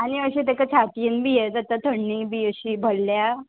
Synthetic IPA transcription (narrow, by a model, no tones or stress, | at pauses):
añiəɕiːt̪ekat͡ɕʰat̪inbijed͡zat̪at̪ʰəɳːibiəɕiːbʱəlːja